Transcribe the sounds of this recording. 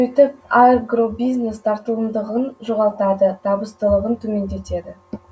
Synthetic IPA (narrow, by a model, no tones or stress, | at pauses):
ɵt̪ɪp̚aɡro̞bijzne̞st̪ʰɑɾt̪əlˠəmd̪əʁənʒoʁɑlˠt̪ɑd̪ət̪ʰɑbəst̪əlˠəʁənt̪ʰɵme̞nd̪e̞t̪e̞d̪ɪ